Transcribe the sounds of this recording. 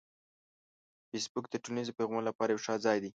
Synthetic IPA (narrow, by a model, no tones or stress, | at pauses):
fesbuk̚d̪əʈunizpeɣmonlapɑɾajewʂɑzɑjd̪i